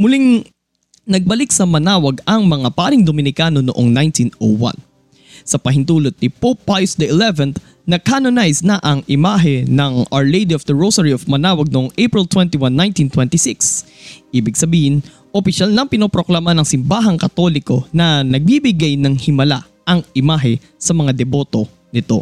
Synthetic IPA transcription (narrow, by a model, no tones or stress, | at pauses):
mʊliŋ | nɐɡ̚bɐlik̚sɐmɐnaːwɐɡɐŋmɐŋapaːɾɪŋd̪omɪnɪkano̞noʔoŋnajnt̪ino̰wã̰n | sɐpɐɦɪnt̪uːlot̪̚nɪpopːajʊsd̪ɐʔɪlɛvɛn | nɐkanonajsnɐʔɐŋʔɪmaːɦɛnɐŋɐɹlejd̪iofd̪ɐɹosɐɹiofmɐnaːwɐɡ̚noʔoŋʔejpɹɪlt̪wɛnt̪iwanːajnt̪int̪wɛ̃nt̪ɪsiks | ʔiːbɪɡsɐbiːhɪn | ʔopɪʃalnɐŋpɪnoːpɾo̞klamanɐŋsɪmbaːɦɐŋkɐt̪o̞lɪko̞nɐnɐɡ̚bibɪɡajnɐŋhɪmɐla̰ | ʔɐŋʔɪmaːɦɛ | sɐmɐŋad̪ɛbo̞ːt̪o̞ | nɪt̪o̞̰